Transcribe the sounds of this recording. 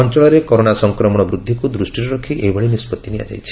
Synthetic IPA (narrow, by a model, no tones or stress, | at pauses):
ɔnt͡ʃɔɭɔɾekɔɾoɽasɔŋkɾɔmɔɽ̃ɔbɾud̪ʱːikud̪ɾusʈiɾɔɾɔkʰiʔejbʱɔɭinispɔt̪ːinia̰d͡ʒa̰jt͡ʃʰi̥